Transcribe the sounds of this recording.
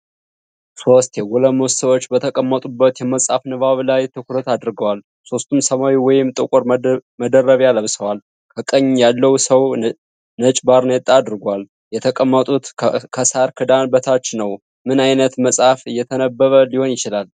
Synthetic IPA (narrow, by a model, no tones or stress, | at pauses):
so̞st̪jɛɡɔləmossəwot͡ʃːbət̪ʰəkʼəmːət̪ʼubːət̪jɛməsʼafnɨβaβlajt̪ʰɨkʰuɾət̪ad̪ɾɡəwal | so̞st̪ʰumsəmawiwɔjɪmt̪ʼəkʷʼoɾməd̪ərːəβaləβsəwal | kʰəkʼəɲːjalːəwsəw | nət͡ʃʼbaɾnet̪ʼad̪ɾɨɡwal | jɛt̪ʰəkʼəmːət̪ʼut̪kʰəsaɾkʰɨd̪anbət̪ʰat͡ʃːnəw | mɨnajnət̪məsʼafɨjːɛt̪ʰənəbːəβəliho̞njɪt͡ʃɪlal